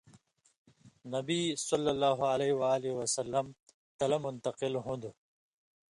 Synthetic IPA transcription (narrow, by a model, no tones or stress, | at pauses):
nɐbisɐlːɐlːaːɦualɐiwaːliwɐsɐlːɐm | t̪ɐlɐmʊnt̪ɐqɪlɦũnd̪u